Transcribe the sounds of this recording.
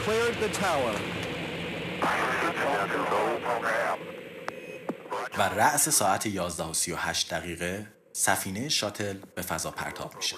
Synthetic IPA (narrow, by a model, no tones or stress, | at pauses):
kʰl̥ɛɹd̪ðətʰawə˞ | væræʔse̞sɒːæt̪ʰejɒːzd̪æhosijo̞hæːʃt̪̚d̪æɣiːɣe | sæfiːnejeʃɒːt̪ʰe̞lb̥e̞fæzɒːpʰæ̰ɾt̪ʰɒ̰ːb̥mi̥ːʃe̥